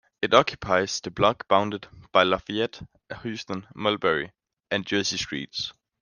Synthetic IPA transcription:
ɪɾɒkʰju̥pʰaɪz̥ðəblɑɡb̥ãʊ̃ndədb̥aɪlɑfiɛd̥ | hʉstə̃nmɔlbɛɹḭ | ʔæ̃nd͡ʒɜːsistɹ̥ḭːts

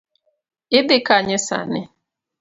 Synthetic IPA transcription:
ɪdɪkaɲɛsa̰nɪ

